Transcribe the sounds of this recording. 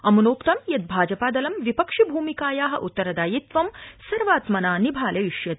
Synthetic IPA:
ɐmunoːkt̪ɐmjɐt̪̚bʱaːd͡ʒɐpaːd̪ɐlɐmʋipɐkʂibʱuːmikaːjaːɦɐ̰̆ʔut̪ːɐɾɐd̪aːjit̪ʋɐmsɐɾʋaːt̪mɐnaːnibʱaːleʋiʂjɐt̪

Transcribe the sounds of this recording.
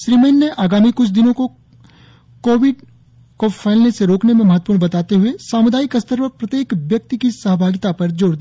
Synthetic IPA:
ʃɾiːmeːnːeʔaːɡaːmikʊt͡ʃʰd̪ɪnõko | koːʋɪɖ | kofʰaːɪlneseɾoːknemẽmɐɦət̪ːəpuːɽnbɐt̪aːt̪eɦʊesaːmʊd̪aːikɐst̪əɾʋəpɾɐt̪jeːkʋjɐk̚t̪ikisəɦbʱaːɡɪt̪apɐɾd͡ʒoːɽd̪i

